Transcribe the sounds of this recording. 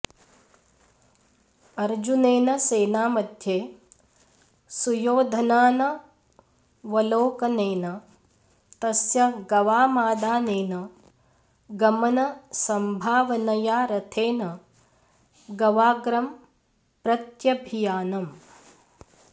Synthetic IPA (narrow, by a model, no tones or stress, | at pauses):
ɐɾd͡ʒuneːnɐseːnaːmɐd̪ʱjeː | sujoːd̪ʱɐnaːnɐ | ʋɐloːkɐneːnɐ | t̪ɐsjɐɡɐʋaːmaːd̪aːneːnɐ | ɡɐmɐnɐsɐmbʱaːʋɐnɐjaːɾɐt̪ʰeːnɐ | ɡɐʋaːɡɾɐm | pɾɐt̪jɐbʱijaːnɐm